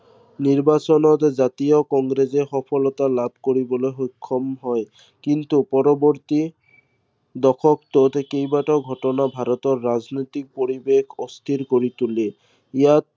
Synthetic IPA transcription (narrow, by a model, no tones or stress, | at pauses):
niɹbasɔnɔt̪zat̪ijɔkɔŋɡɾezexɔpʰɔlɔt̪alabʱkoɹibɔlojxojkʰːɔmɦɔj | kint̪upɔɾɔbɔɾt̪i | d̪ɔkʰɔkt̪ɔt̪kejbaʈɔɡʱɔtɔnabʱaɾɔt̪ɔɹːaznojt̪ik̚poɹibekʰɔst̪ʰiɾkoɹit̪ule | ijat̪̚